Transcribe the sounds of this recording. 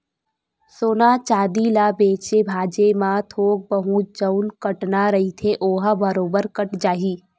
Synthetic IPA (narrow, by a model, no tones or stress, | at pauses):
soːnaːt͡ʃaːd̪ilabeːt͡ʃebʱaːd͡ʒemãt̪ʰoːk̚bəɦũd͡ʒəʊnkəʈnaɾɐɦit̪ʰeʔoːɦbɐɾoːbəɾkəʈd͡ʒaːɦiː